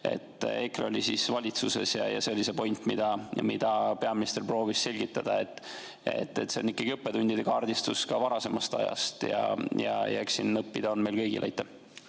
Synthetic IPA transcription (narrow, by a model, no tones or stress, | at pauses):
e̞̰t̪ːˑekrolʲisisvɑlʲit̪suse̞̰sjɑ̰jɑ̰seolʲːisepo̞jnʲt̪ːˑmid̪̥ɑmid̪̥ɑpe̞ɑminʲist̪erpro̞ːvisse̞lʲɡ̥it̪ːˑɑd̪̥ɑe̞t̪ːˑ | e̞̰t̪ːet̪se̞o̞nikːˑɑɡ̥iɤpːe̞t̪unʲd̪id̪e̞kɑːrd̪̥ist̪uskɑvɑɾɑse̞mɑst̪ɑ̰jɑ̰st̪jɑ̰jɑ̰jæksinːɤpːid̪̥ɑo̞nme̞jlkɤjɡḭlʔjt̪ːˑe